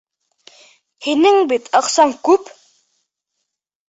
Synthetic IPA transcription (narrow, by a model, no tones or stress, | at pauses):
hinɘŋbit̪ʰɑqsɑŋkʉp